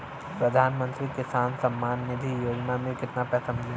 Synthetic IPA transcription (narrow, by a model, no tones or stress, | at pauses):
pɾɐd̪ʱaːnmə̃nt̪ɾikɪsaːnsɐmːaːnːɪd̪ʱijoːd͡ʒnamẽkɪt̪napɛt̪ʰɐmd͡ʒ